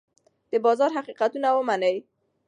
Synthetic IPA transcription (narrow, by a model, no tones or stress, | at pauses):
d̪̥əbɑzɑɾɦaqiqat̪unawəmanəj